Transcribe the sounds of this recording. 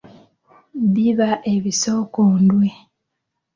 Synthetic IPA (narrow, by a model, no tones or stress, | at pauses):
βiβaʔe̞βiso̞ːkoːndwe̞